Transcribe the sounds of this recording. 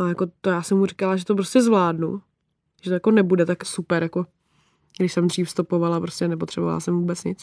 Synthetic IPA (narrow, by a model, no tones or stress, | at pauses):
ajako̞t̪ojaːsɛmhurikalaʒɛt̪op̬ɾo̞scɛzvlaːdnṵ | ʒɛt̪ojakonɛbudɛt̪aksupɛɾjako | ɡdɪʃsɛmd̪riːfst̪upo̞valapɾo̞scɛnɛpot̪r̥ɛbova̰la̰sɛmvuːbɛt͡sɲɪt͡s